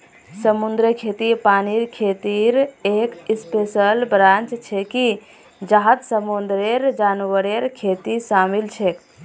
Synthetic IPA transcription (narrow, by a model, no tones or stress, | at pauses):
səmund̪ɾəkʰet̪ipaniɾkʰet̪iɾekispesəlbɾant͡ʃt͡ʃʰɛki | d͡ʒaɦət̪səmund̪ɾeɾd͡ʒanʋəɾeɾkʰet̪isamilt͡ʃʰek